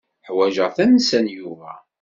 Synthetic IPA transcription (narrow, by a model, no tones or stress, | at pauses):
ħwæʒəʁθænsænjuvæ̰